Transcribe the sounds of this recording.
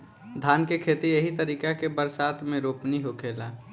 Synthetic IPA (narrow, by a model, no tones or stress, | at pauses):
d̪ʱaːnkekʰeːt̪ijeɦit̪əɾiːkakebəɾsaːt̪ʰmẽɾoːpniɦokʰeːla